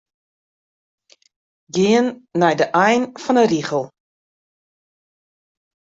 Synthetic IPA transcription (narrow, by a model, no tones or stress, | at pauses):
ɡɪənːɛjdəʔɛjnfɔnəriχəlˠ